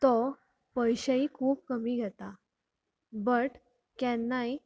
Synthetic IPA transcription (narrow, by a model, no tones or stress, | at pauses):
t̪ɔ | pəjɕəiːkʰuːp̚kəmiːɡʱɛt̪a | bəʈ | kjãnːai